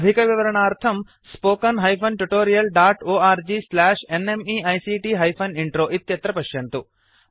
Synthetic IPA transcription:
d̪ʱikɐʋiʋɐɾɐɳaːɾt̪ʰɐm | spoːkɐnɦɐjpʰɐnʈuʈoːɾijɐlɖaːʈoːaːɾd͡ʒiːslaːʂenemiːɐjsiːʈiːɦɐjpʰɐniɳʈɾoːʔit̪jɐt̪ɾɐpɐʃjɐnt̪u

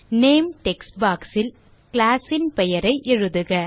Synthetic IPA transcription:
neːmʈɛksbaːksɪl | klaːsɪnpɛjɐɾɐɪʔɛɻɯðɯɣɐ

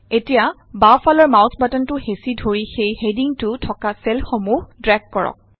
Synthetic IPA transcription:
etija | bafalɔɹmawsbatɔntʊhesidʱoɹixejhediŋtʊtʰɔkasɛlxomuhdɹaɡ̚kːɔɹɔ̰k̚

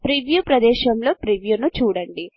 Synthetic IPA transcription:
pɾiʋjuːpɾɐd̪ɛːʃɐmlo̞ːpɾiʋjuːnut͡ʃuːɽɐɳɖi

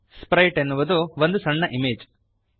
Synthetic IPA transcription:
spɾɐjʈenːuʋud̪uʋond̪usɐɳːɐʔimeːd͡ʒ

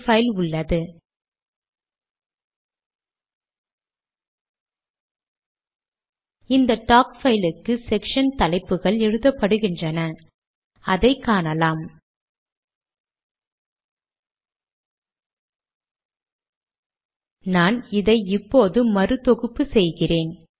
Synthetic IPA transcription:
fɐɪlʊɭːɐðɯ | ɪnd̪ɐʈaːkfɐɪlɪkːɯsɛkʂɐnt̪ɐlɐɪpːɯɣɐɭɛɻɯðɐpːɐɽɯɣɪndrɐnɐ | ɐðɐɪkːaːnɐlaːm | naːnɪðɐɪɪpːoːðɯmɐrɯt̪ɔɣɯpːɯsɛjɣɪreːn

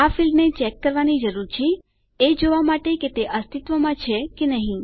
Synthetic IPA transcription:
afilmnet͡ʃɛkːəɾʋanid͡ʒəɾuɾt͡ʃʰe | ed͡ʒoʋamaʈeket̪eʔəst̪ʰit̪ʋəmãt͡ʃʰekenəɦĩ

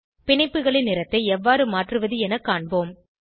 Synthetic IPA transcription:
pɪɳɐɪpːɯɣɐɭɪnːɪɾɐt̪ːɐɪɛʋːaːɾɯmaːʈrɯʋɐðɯɛnɐkːaːɳboːm

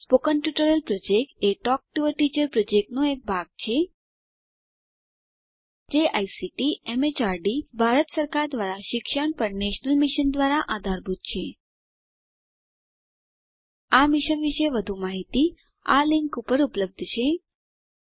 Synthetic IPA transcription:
spokənʈjuʈəɾəlpɾod͡ʒek̚ʈeʈɔk̚ʈuʋəɾʈit͡ʃəɾpɾod͡ʒek̚ʈnoek̚bʱaɡ̚t͡ʃʰe | d͡ʒeʔajsiʈiemet͡ʃaɾɖibʱaɾət̪səɾkaɾd̪ʋaɾaʃɪkʃəɳpəɾneʃnəlmiʃənd̪ʋaɾaʔad̪ʱaɾbʱut̪̚t͡ʃʰe | amiʃənʋiʃeʋəd̪ʱumaɦit̪i | a̰liŋkupəɾupləb̚d̪ʱt͡ʃʰe

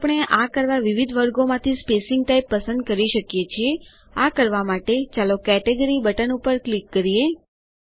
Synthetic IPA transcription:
pɳ̃eʔakəɾʋaʋiʋid̪ʱʋəɾɡomãt̪ʰispesɪŋɡ̚ʈaijpːəsə̃nd̪̚kəɾiʃəkjet͡ʃʰie | akəɾʋamaʈet͡ʃalokɛʈeɡəɾibəʈənupəɾklikːəɾije

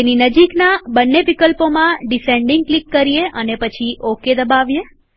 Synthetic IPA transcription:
eninəd͡ʒiknabənːeʋikəlpomãɖisẽɳɖɪŋɡ̚klikːəɾijeʔənepət͡ʃʰiʔoked̪əbaʋje

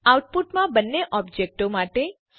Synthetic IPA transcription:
awʈ̚puʈmãbənːeʔɔbd͡ʒek̚ʈomaʈe

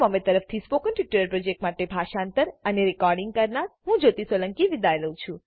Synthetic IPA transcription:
məmẽt̪əɾəft̪ʰispokəɳʈiʈuɾəɾpɾod͡ʒek̚ʈmaʈebʱaʃant̪əɾəneɾikɔɾɖiŋɡ̚kəɾnaɾɦũd͡ʒot̪isʋələŋkiʋid̪ajləũt͡ʃʰũ

